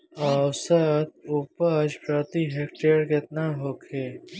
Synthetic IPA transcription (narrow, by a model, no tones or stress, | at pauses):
aːwsət̪̚upəd͡ʒpɾaːt̪iɦeːkʈeːɾket̪naɦoːkʰeː